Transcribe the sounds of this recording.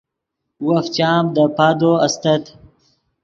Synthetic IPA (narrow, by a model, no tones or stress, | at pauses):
wɐft͡ɕaːmd̪əpaːd̪oɐst̪ɐt̪